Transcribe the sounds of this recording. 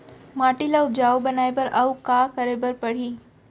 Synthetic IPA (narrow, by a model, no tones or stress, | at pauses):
maːʈilaʊbd͡ʒaːobɐnaːepɐɾɐʋkaːkɐɾebɐɾpɐɽ̤iː